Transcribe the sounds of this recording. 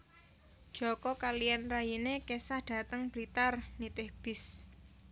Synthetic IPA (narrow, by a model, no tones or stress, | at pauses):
d̥ʒ̥ɔkɔkalijanrajinekesahɖ̥a̤t̪əŋb̥lit̪arnit̪ɪhb̥ɪs